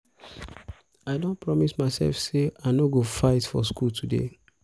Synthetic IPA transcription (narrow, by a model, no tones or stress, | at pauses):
aɪdõnpɹɔmismaɪsɛ̰lfseaɪnoɡofaɪtfɔ̰skʰultʰudḛ